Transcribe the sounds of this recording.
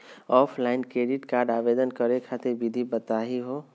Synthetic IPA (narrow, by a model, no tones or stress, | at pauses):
ɔpʰlaɪnkɾeɖiʈkaɾɖabed̪ənkəɾekʰat̪eɾbid̪ʱibət̪aɦiɦo